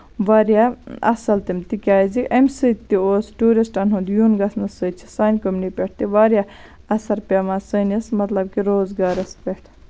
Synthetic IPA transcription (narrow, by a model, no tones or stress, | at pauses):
ʋaɾjaɐ̰sɐlt̪imt̪ikʲaːjzikɐmʲsɨt̪ːioːsʈuːɾisʈɐnɦũnd̪junɡɐsnɨsɨt͡ʃʰi̥saːnʲkɐmnipʲeʈ̚ʰt̪iʋaːɾja | ɐsɐɾpʲemasəːnismɐt̪lɐb̚kiɾoːzɡaːɾɐspʲeʈʰ